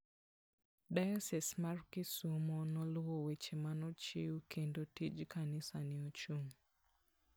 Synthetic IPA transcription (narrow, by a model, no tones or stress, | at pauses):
dajɔsɛsmarkɪsumɔnɔlwɔwet͡ʃemanɔt͡ʃeukʰendotid͡ʒkanɪsanɪot͡ʃuŋ